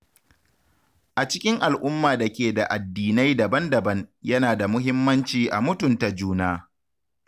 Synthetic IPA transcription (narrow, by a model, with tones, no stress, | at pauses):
ʔa˨t͡ʃɪ˦kʲɪ˦ŋʔa˨lʔʊ˦mːaː˨da˨kʲeː˨da˨ʔa˨dːiː˨na˦jda˨bɐ˦ndɐ˨bɐ˦ŋjɐ˦naː˨da˨mʊ˦ɦɪ˦mːɐ˦nt͡ʃiː˨ʔa̰˨mʊ˦tʊ˨nta˨d͡ʒuː˦naː˦